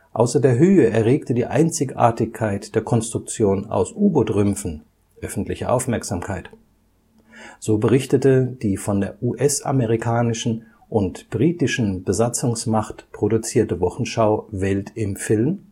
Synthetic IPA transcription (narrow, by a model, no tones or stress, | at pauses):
ʔa̰ʊsɐdeːɐɦøːəɛɐʁeːktədiːʔa̰ɪnt͡sɪçʔa̰ːɐtɪçkʰːaɪtd̥eːɐkʰɔnstʁ̥ʊk̚t͡sjoːna̰ʊsʔuːɡodʁʏmfn̩ | ʔœfn̩tlɪçɐ̰ʔaʊfmɛɐkz̥aːmkʰaɪt | z̥oːbəʁɪçtətəd̥iːfɔndeːɐʔuʔɛsʔa̰məʁikʰaːnɪʃn̩ | ʔʊntb̥ʁiːtɪʃn̩bəzat͡sʊŋsmaχtpʁ̥odut͡siːɐtəvɔχn̩ʃaʊvɛltʰɪmfɪlm